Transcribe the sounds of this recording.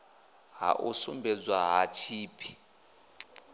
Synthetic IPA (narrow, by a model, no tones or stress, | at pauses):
ɦa̰ʔṵsumbʱɛd͡zwaɦat͡ʃʰiːpʰi̥